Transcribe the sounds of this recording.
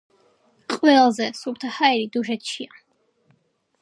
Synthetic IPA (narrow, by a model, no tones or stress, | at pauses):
qʼwɛlzɛsuɾt̪ʰahaɛɾid̪uʒɛt̪ʰʃia